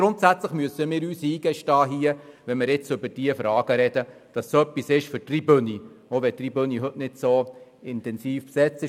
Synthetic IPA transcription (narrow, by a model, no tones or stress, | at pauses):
ɡ̥ɾʊntsæt͡sləχmyəsəmɪːɾyːsiːɡ̥ɛʃtɑːɦiəʋɛnmɪɾɪt͡sʏbəɾd̥iəfɾɑːɡ̥əɾɛdə | d̥ɑsːoœpːisɪʃfʏɾtribɵnioʋɛtribøniɦɵtnɪtsoɪntɛnsiːfpsɛt͡sɪ